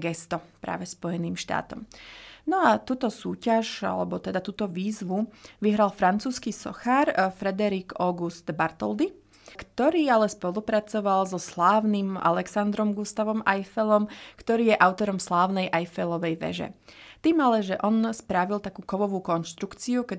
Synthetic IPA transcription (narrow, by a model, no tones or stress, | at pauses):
ɡɛst̪ɔpɾa̰ːʋɛspɔjɛniːmʃt̪a̰ːt̪ɔ̰mnɔat̪uːt̪ɔsuːcaʒa̰lɛ̰bɔt̪ɛd̪at̪uːt̪ɔʋiːzʋuʋiɦɾalˠfɾant͡suːskisɔ̰xaɾfɾɛd̪ɛɾiːkɔɡust̪baɾt̪ɔld̪i | kt̪ɔɾiːalɛspɔlupɾat͡sɔʋalzɔslaːʊnimʔa̰lɛksand̪ɾɔmɡust̪aʋɔmajfɛlɔmkt̪ɔɾiːjɛʔaʊt̪ɔɾɔmslaːʊnɛjʔajfɛlɔʋɛjʋɛ̰ʒɛ̰t̪iːmalɛʒɛʔɔnspɾaʋilˠt̪akuːkɔʋɔʋuːkɔnʃt̪ɾukt͡siukɛ